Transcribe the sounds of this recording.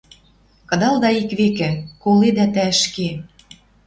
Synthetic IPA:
kɤ̆d̪ɑlˠd̪ɑikβekɘ̆koled̪æt̪æʃke

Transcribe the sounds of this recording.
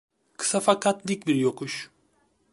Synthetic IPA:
kʰɯ̥safakʰat̪d̪ʲic̚ʲbiɾjokʰuʃ

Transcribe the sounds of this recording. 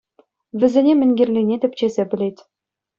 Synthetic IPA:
ʋʲɘ̆zʲenʲemʲɘ̆nʲɡʲĕrʲlʲinʲetʲɘ̆pʲt͡ɕezʲebʲɘ̆lʲetʲ

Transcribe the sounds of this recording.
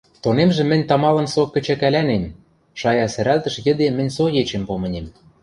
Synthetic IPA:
t̪onemʒĕmɘ̆nʲt̪ɑmɑlɤ̆nsokːɘ̆t͡ɕækælænem | ʃɑjɑsæɾælt̪ə̆ʃjɘ̆d̪emɘ̆nʲsojet͡ɕempomɤ̆nʲem

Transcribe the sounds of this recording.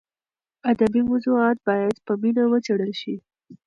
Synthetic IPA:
ad̪abimʊzuɑt̪̚bɑjad̪pəminawət͡seɽəlʃi

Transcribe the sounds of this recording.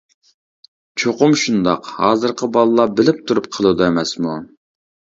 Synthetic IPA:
t͡ʃʰoqʊmʃund̪ɑ̰qhɑːzɨɾqʰəbɑlˠəlˠɑbɪlɪp̚t̪ʰuɾup̚qʰəlˠud̪ɨemɛsmu

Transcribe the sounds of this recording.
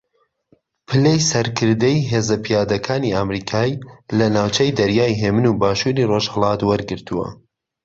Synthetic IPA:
pʰɨlejsɐɾkʰɨɾd̪ɐjɦeːzɐpʰijaːd̪ɐkʰaːniaːmɾiːkʰaːilɐnaːwt͡ʃɐjd̪ɐɾjaːjɦeːmɨnuːbaːʃuːɾiroʒhəlˠɑt̪wɐɾɡɨɾt̪ʰuwɐ̰

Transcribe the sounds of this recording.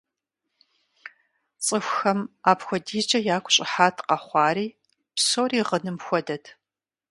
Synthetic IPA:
t͡sʼɨxʷxɐmaːpxʷɔdiːt͡ʃʼɐjaːkʷʰʼʊɕʼɪħaːtʰqɐχʷɑːɾiː | psoːriːʁənɨmxʷɔdɐtʰ

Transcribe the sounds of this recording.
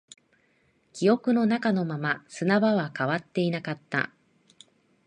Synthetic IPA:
kʲijo̞kɯ̟no̞nakano̞mamasɨnaβaβakaβat̪ːe̞inakat̪ːa̰

